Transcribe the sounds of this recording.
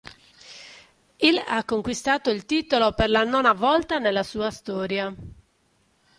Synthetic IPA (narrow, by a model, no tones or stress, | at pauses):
ila̰kːoŋkwist̪aːt̪oilt̪iːt̪oloperlanɔnavɔlt̪anelːasuːast̪ɔːɾja